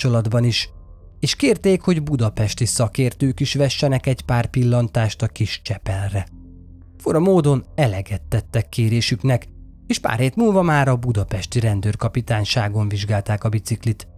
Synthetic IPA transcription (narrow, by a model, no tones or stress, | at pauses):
t͡ʃolɒd̪bɒniʃ | eːʃkeːrt̪eːkho̞ɟbud̪ɒpɛʃt̪isɒkeːrt̪øːkiʃʋɛʃːɛnɛkɛɟpaːrpilːɒnt̪aːʃt̪ɒkiʃt͡ʃɛpɛlrɛ | foɾɒmoːd̪o̞nɛlɛɡɛt̪ːɛt̪ːɛkːeːɾeːʃyknɛk | eːʃpa̰ːrheːt̪muːlvɒmaːɾɒbud̪ɒpɛʃt̪iɾɛnd̪øːrkɒpit̪aːnʃaːɡo̞ɱviʒɡaːlt̪aːkɒbit̪siklit̪